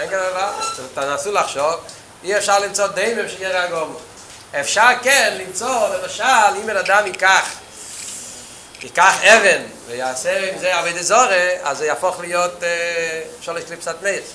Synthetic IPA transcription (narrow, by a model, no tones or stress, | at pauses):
ɛŋkanavatanasulaχʃɔv | iɛfʃaʁlˠɪmt͡sɔdeɪmemʃɡeʁaɡɔmɔ | ɛfʃaʁkɛnlimt͡sɔlɪmaʃalimɛnadamikaχ | ikaχɛvɛn | vɪjaseimzeaveɪdəzɔɾeazeɪafɔχlɪjotː | ɛfʃaʁlɪʃklipsatmeɪʁ